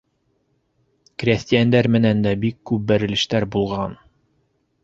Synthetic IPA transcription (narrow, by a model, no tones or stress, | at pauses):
kɾʲest̪ʲijænd̪æɾmɘ̆nænd̪æbikːʉp̚bæɾɘ̆lɘ̆ʃt̪æɾbulˠʁɑn